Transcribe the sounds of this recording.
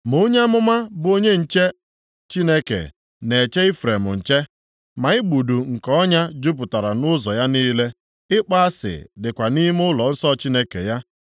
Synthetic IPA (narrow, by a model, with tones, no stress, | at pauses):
mo˦ɲe˦a˦mʊ˦ma˦bo˦ɲe˦n̩˨t͡ʃe˦ | t͡ʃi˦ne˦kḛ˨ | ne˨t͡ʃe˦ɪ˦fɾe˨mʊ̰˨n̩˨t͡ʃe˦ | ma˨ɪ˦ɡ͡bu˨du˨ŋ̩˨kɔ˦ɲa˦d͡ʒu˦p̬ʊ˨ta˨ɾa˨nʊ˦zɔ̰˨ja˦niː˦le˦ | ɪ˦k͡pa˦a˦sɪ̰˨dɪ˨kʷa˨ni˦m˦ʊ˦lɔ˨n̩˦sɔ˦t͡ʃi˦ne˦kḛ˨ja˦